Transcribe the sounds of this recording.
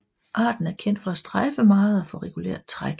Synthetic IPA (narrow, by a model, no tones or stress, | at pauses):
ʔɑ̈ːd̥n̩æɐkʰen̰d̥fɒ̽æsd̥ʁɑɪfəmɑ̈ːð̩ˠɒfɔ̽ʁɛɡ̥ulḛːɐ̰d̥̚t͡sʰʁaɡ̥